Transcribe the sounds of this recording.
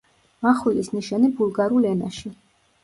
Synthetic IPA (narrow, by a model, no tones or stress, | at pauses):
maχwilisniʃanibulˠɡaɾulɛna̰ʃi